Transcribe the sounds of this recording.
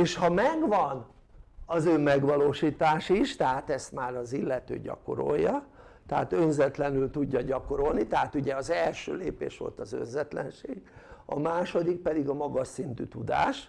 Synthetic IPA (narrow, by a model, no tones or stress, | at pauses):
eːʃhɒmɛɡʋɒn | ɒzøːmɛɡʋɒloːʃiːt̪aːʃiʃt̪ɛɦat̪ɛst̪maːɾɒzilːɛt̪ø̰ːɟɒ̰ko̞̰ɾo̞̰jːɒ | t̪ɛɦa̰t̪ønzɛt̪lɛnylt̪uɟːɒɟɒko̞ɾo̞lnit̪ɛɦaːt̪uɟɛɒzɛlʃø̰ːleːpḛːʃʋo̞̰lt̪ɒzø̰nzɛt̪lɛ̰nʃeːɡɒ̰maːʃo̞d̪ik̚pɛd̪iɡɒmɒɡɒʃint̪y̰ːt̪ud̪a̰ːʃ